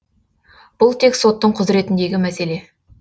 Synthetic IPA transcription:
b̥ʊlˠt̪ʰe̞kso̞t̪ːəɴqʰʊzɾe̞t̪ɪnd̪e̞ɡʲɪmæse̞le̞

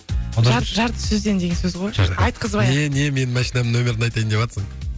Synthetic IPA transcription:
oɑɾʒɑɾt̪ə̥sɵzd̪e̞nd̪e̞ɡʲesɵzʁojɑjt̪̚qʰəzɑj̪ene̞me̞nɪmæʃinɑmənɵmʲe̞ɾɪnɑjt̪ɑjmd̪e̞pɑt̪əsəɴ

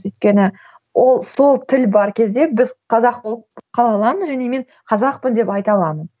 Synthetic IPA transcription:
ɵjt̪̚ʲkʲe̞nɪ | wʔolˠso̞lˠt̪ʰɪlbɑɾkʲʰe̞zd̪e̞bɪzqʰɑzɑqbolˠəpqʰɑlˠɑlˠɑməzʒæne̞me̞ɴ | qʰɑzɑq̚pənd̪e̞pɑjt̪ɑlˠɑmən

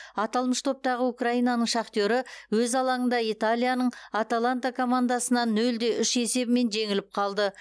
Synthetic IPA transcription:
ɑt̪ɑlˠməʃt̪ʰo̞p̚t̪ɑʁəukraijnanəɴʃɑqt̪oɾɪwɵzɑlˠɑənd̪ɑit̪alʲˠijanəɴat̪alˠant̪akʰo̞mand̪asənɑnːɵld̪e̞ʔʏʃe̞se̞bɪme̞nʒe̞ŋɪlɪp̚qʰɑlˠd̪ə

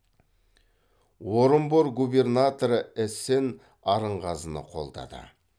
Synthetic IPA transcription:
woɾəmboɾɡube̞rnat̪oɾəese̞n | ɑɾəɴʁɑzənə̰qʰo̞̰lˠd̪ɑ̰d̪ə̰

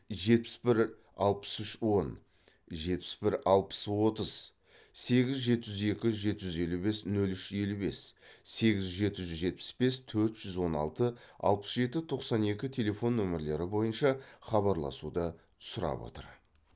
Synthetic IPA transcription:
ʒe̞t̪̚pɪ̥sbɪɾ | ɑ̰lˠpə̥sʏʃwo̞n | ʒe̞t̪̚pɪ̥sbɪɾɑlˠpə̥swo̞t̪əz̥ | se̞ɡʲɪzʒe̞t̪ɪʒʏze̞kʲɪʒʒe̞t̪ɪʒʏze̞lube̞snɵlʏʃe̞lube̞sːe̞ɡʲɪzʒʒe̞t̪ɪʒʏzʒe̞t̪̚pɪ̥sbe̞st̪ʰɵɾt̪ʒ̥ʏzwo̞nɑ̰lˠt̪əɑ̰lˠpə̥sʒe̞t̪ɪt̪ʰo̞qsɑne̞kʲɪt̪ʲʰe̞le̞fo̞nːɵmɪɾle̞ɾɪbo̞jənʃɑχɑβɑɾlˠɑ̰sud̪ət̪ʰsʊɾɑ̰bwo̰t̪ə̰ɾ

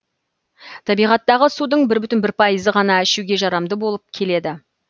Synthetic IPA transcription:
t̪ʰɑbijʁɑt̪ːɑʁəsud̪əɴbɪɾbʏt̪ɪnbɪɾpʰɑjəzəʁɑnɑɪʃuɡʲe̞ʒɑɾɑmd̪əbo̞lˠəp̚kʲʰe̞le̞d̪ɪ

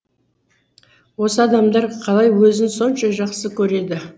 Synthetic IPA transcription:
wo̞səɑd̪ɑmd̪ɑɾqʰɑlˠɑjwɵzɪnso̞nʃɑʒɑqsəkʲʰɵɾe̞d̪ɪ

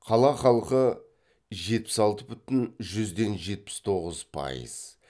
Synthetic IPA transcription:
qʰɑlˠɑχɑlˠqə | ʒe̞t̪̚pɪ̥sɑlˠt̪əbʏt̪ɪnʒʏzd̪e̞nʒe̞t̪̚pɪ̥st̪ʰo̞ʁəzpʰɑ̰jə̰z̥

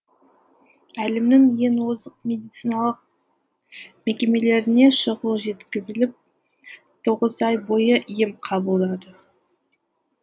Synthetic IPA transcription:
ælɪmnɪŋje̞nwozəqmʲe̞d̪ijt̪sijnɑlˠəq̚ | mekʲe̞me̞le̞ɾɪne̞ʃəʁəlˠʒe̞t̪kʲɪzɪlɪp̚ | t̪ʰoʁəzɑjbo̞jəʔijɪmqʰɑbəlˠd̪ɑd̪ə

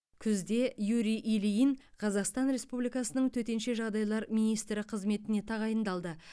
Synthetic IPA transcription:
kʲʰʏzd̪e̞juɾijʔilijinqʰɑzɑqst̪ɑnɾe̞spublijkɑsənəɴt̪ʰɵt̪e̞nʃe̞ʒɑʁd̪ɑjlˠɑɾmijnijst̪ɾɪqʰəzme̞t̪ɪne̞t̪ʰɑʁɑjənd̪ɑlˠd̪ə

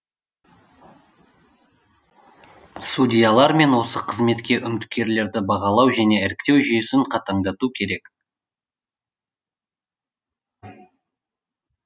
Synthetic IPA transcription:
sudʲijalˠɑɾme̞nwo̞səqʰəzme̞t̪kʲe̞ʔʏmɪt̪kʲe̞ɾle̞ɾd̪ɪbɑʁɑlˠɑwʒæne̞æɾɪkt̪e̞wʒʏjesɪɴqʰɑt̪ɑɴd̪ɑt̪ukʲʰe̞ɾe̞k

